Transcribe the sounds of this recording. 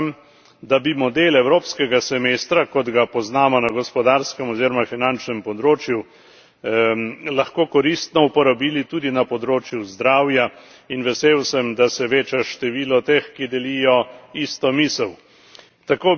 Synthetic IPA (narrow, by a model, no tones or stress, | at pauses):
m | d̪abimɔd̪eːlɛwɾoːpskɛɡasɛmeːst̪ɾakɔd̪ɡapɔznaːmɔnaɡɔspɔd̪aɾskɛmɔziːɾɔmafinant͡ʃnɛmpɔd̪ɾoːt͡ʃju | lɐxkoːkɔɾist̪nɔupɔɾabiːlit̪uːd̪inapɔd̪ɾoːt͡ʃjuzd̪ɾaːwja | inʋɛseːwsɛmd̪asɛʋeːt͡ʃɛʃt̪ɛʋiːlɔt̪exkid̪ɛliːjɔist̪ɔmiːsəw | t̪akoː